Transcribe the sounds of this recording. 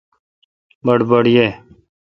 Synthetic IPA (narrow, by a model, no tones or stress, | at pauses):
bəɽbəɽjeː